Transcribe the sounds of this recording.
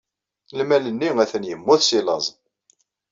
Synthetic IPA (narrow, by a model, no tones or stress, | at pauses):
lmælənːiæθənjəmːʊθsilɑzˤ